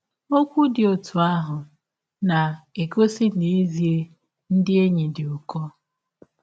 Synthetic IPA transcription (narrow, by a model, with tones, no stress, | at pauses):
o˦kʷu˦dɪ˨o˨tʰu˨a˦ɦʊ˨ | na˨e˨ko˦si˦ne˨e˦zi˨e˦ | n̩˦dɪ˦e˦ɲi˨dɪ˨ʊ˨kɔ˦